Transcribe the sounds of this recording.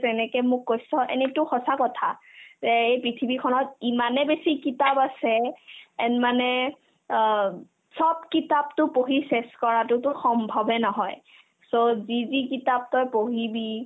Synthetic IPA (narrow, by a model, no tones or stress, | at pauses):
tɛnɛkɛmʊkːojsɔʔḛnitʊxɔsakɔtʰazɛejpɹitʰibikʰɔnɔtimanɛbesikitabasɛɛnmanɛ | sɔbkitab̚tʊpoɦiseskɔɹatʊtʊxɔmbʱɔbɛnɔɦɔj | sozizikitap̚tɔjpoɦibi